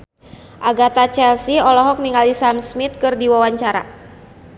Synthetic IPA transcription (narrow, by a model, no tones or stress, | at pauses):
ʔaɡat̪at͡ʃɛlsiɔlɔɦɔk̚niŋalisamsmit̪̚kɨrdiwawaɲt͡ʃaɾa̰